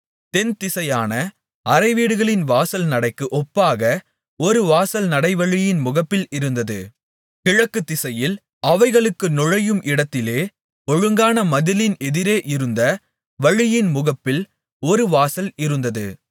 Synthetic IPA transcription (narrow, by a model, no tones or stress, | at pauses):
t̪ɛnt̪ɪsɐjaːnɐ | ɐɾɐɪʋiːɽɯɣɐɭɪnʋaːsɐlnɐɽɐɪkːɯʔɔpːaːɣɐ | ɔɾɯʋaːsɐlnɐɽɐɪʋɐɻɪjɪnmʊɣɐpːɪlɪɾɯnd̪ɐðɯ̰ | kɪɻɐkːɯt̪ːɪsɐjɪl | ɐʋɐɪɣɐɭɯkːɯnɔɻɐjɯmʔɪɽɐt̪ːɪleː | ɔɻɯŋɡaːnɐmɐðɪlɪnɛðɪɾeːʔɪɾɯnd̪ɐ | ʋɐɻɪjɪnmʊɣɐpːɪl | ɔɾɯʋaːsɐlɪɾɯnd̪ɐðɯ̰